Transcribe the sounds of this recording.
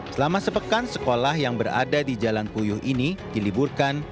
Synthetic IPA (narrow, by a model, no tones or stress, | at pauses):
səlamasəpəkansəkolahjaŋbəra̰dadid͡ʒalanpujʊhinidiliburkan